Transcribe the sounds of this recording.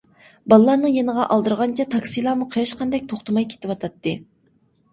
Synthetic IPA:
bɑlˠəlˠɑɾnɨŋjenəʁɑʔɑlˠd̪ɨɾʁɑnt͡ʃʰɛt̪ʰɑksijlˠɑmuqʰeɾɨʃqʰɑnd̪ɛk̚ʲt̪ʰoχt̪ʰəmɑjkʲʰe̥t̪ɪwɑt̪ʰɑt̪ːɨ

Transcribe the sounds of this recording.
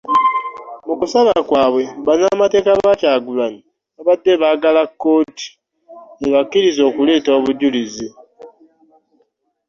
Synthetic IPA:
mukusaβakwaːβwe̞βanamate̞ːkaβacaːɡulaɲi | aβadːe̞βaːɡalakːo̞ːti̥ | eβakːiɾizo̞ːkule̞ːtoːβuɟulizi

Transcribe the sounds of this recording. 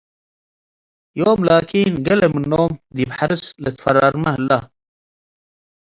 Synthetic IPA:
joːmlaːkiːnɡɐlemɨnːoːmd̪ibħaɾɨslɨt̪fɐɾɑɾmɐhəlːa̰

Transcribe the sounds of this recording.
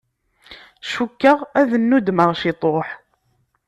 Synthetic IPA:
ʃukːəʁæðənːud̪məʁʃit̪ˤoħ

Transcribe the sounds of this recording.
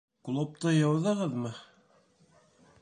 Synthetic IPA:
klˠop̚t̪ɤjɑwðɤʁɤðmɤ

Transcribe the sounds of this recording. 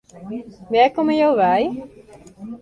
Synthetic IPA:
ʋɛlkoməjowʋɛj

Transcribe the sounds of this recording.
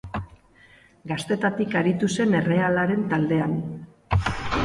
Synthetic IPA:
ɡast̪e̞t̪at̪ikaɾit̪use̞ne̞re̞alaɾe̞nt̪ald̪e̞an

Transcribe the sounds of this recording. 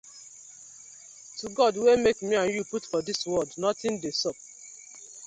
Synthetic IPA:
tuɡɔdwemekmiãnjuputfɔdiswɔldnɔtɪ̃ndesɔp̚

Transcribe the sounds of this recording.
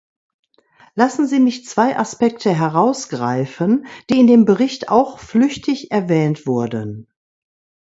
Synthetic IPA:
lasn̩ziːmɪçt͡sv̥aɪʔaspɛktʰəɦɛʁaʊsɡ̥ʁa̰ɪfənd̥iːɪndeːmbəʁɪçta̰ʊxflʏçtʰɪçʔɛɐvɛːntv̥ʊɐdən

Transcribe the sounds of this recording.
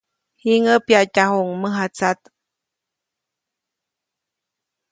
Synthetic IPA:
hiŋəpjacahuŋməɦat͡sat̪

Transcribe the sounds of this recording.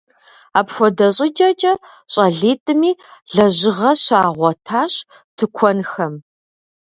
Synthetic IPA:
aːpxʷɔdɐɕʼɪd͡ʒʼɐt͡ʃʼɐ | ɕʼɐɮiːtʼɨmiːɮɐʑɪʁɐɕaːʁʷɔtʰaːɕ | tʰɨkʷʰɔnxɐm

